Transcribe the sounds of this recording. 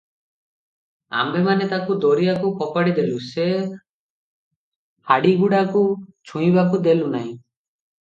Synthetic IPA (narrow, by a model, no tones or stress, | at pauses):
a̰mbemanet̪akud̪oɾijakukɔpaɽid̪eluse | haɽiɡuɽakut͡ʃʰũj̃bakud̪elunaɦĩ